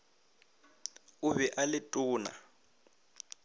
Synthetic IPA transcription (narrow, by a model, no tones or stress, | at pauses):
ʊβɛʔalɪtʼʊːna̰